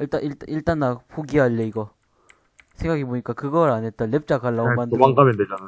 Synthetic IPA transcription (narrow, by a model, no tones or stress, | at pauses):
iɭt͈aiɭt͈aiɭt͈anːapʰoɡiɦaʎːeiɡʌ | sʰeŋɡaɡiboɲik͈akɯɡʌɾanet͈ʌnːep̚t͡ɕ͈akaɭːaomandɯwaŋɡamedwed͡ʑana